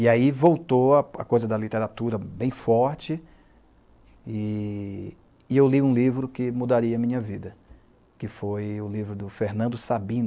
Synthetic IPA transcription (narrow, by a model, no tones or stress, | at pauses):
iaivowt̪oaa̰kojzɐd̪ɐlit̪eɾat̪uɾɐbẽj̃fɔɾt͡ʃɪ | ɪ | ewliũlivɾʊkɪmud̪aɾiɐːmĩɲɐvid̪ɐ | kɪfojʊlivɾʊd̪ʊfeɾnɐ̃nd̪ʊsabĩn